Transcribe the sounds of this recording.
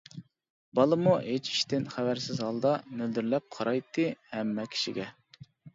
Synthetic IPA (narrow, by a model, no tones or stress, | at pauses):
bɑlˠɨmuɦet͡ʃʰi̥ʃt̪ɪnχævæɾsɪzɦɑlˠd̪ɑnøld̪yɾlɛp̚qʰɑɾɑjt̪ʰːɨhɛmːɛkʲʰi̥ʃḭɡʲɛ